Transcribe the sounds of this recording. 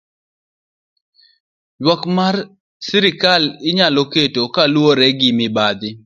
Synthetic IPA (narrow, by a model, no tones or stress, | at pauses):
jwɔkmar | siɾɪkalɪɲaloketokalwoɾɛɡimɪbad̪ɪ